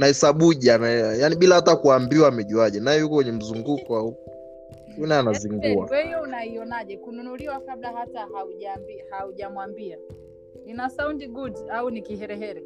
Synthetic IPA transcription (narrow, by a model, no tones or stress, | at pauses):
naɛsaɓuʄanajaniɓilahatakuambiwaːmɛʄuaʄɛnajɛjukɔkwɛɲɛm̩zuŋɡukɔau | ɔnaɛanaziŋɡuawɛhijɔunaiɔnaʄɛkununuliwakablahatahauʄambihauʄamwambia | ninasaundiɡudaunikihɛɾɛɦɛɾɛ